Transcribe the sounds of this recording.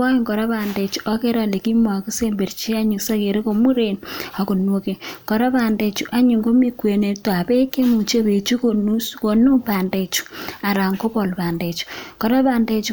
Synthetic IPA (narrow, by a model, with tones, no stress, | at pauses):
a˦ŋko˨ɾa˦βaː˨nde˨t͡ʃu̥ʔa˦ke˦ɾa˨le˨ki˦ma˨ki˦se˦mbe˨ɾt͡ʃi˦a˦ɲu˨ksa˦ke˨ɾe˦ko˨mu˦ɾenia˨ko˨no˦ke˨ko˨ɾa˦βaː˨nde˨t͡ʃu˨ʔa˦ɲu˨ŋɡo˦mi˦kwe˨ne˨twa˨βe˦ke˦mu˨t͡ʃe˦βe˨t͡ʃu˦konusko˨nu˦pa˨ndet͡ʃu̥˨a˨ɾa˨ŋko˦βo˨lβaː˨nde˨t͡ʃu̥ko˨ɾa˦βaː˨nde˦t͡ʃu˦